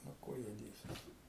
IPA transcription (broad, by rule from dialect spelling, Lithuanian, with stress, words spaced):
nʊ ˈkʊr jɛʊ ˈdʲeːsʲiɛs